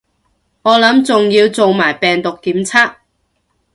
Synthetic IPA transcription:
ŋɔː˨˧lɐ˨˥mt͡sʊ˨ŋjiː˧wt͡so˨wmaː˨˩jpɛː˨ŋt̪ʊ˨kːiː˨˥mt͡sʰaː˥k̚

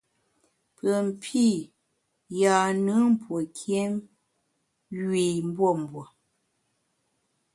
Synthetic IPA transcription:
pə˨m̩˨pʰi˦˨ | ja˨nɨ˨˦m̩˦pwo˨kʰje˦m | ɥɥe˨m̩˦bwo˦˨m̩˨bwo˨

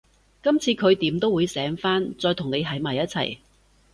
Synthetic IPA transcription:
kɐ˥mt͡sʰiː˧kʰɵ˨˧ɥt̪iː˨˥mt̪o˥wuː˨˧jsɛː˨˥ŋfaː˥nt͡sɔː˧jt̪ʰʊ˨˩ŋne˨˧jɦɐ˨˥jmaː˨˩jːɐ˥t̚t͡sʰɐ̰˨˩j

